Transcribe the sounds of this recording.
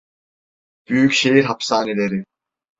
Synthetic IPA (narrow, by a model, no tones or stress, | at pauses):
b̥yjycʃejiɾɦapsaːnelʲeɾɪ